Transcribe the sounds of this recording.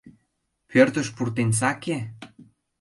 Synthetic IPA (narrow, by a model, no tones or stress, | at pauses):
pʰørt̪ə̆ʃpurt̪ens̬ɑke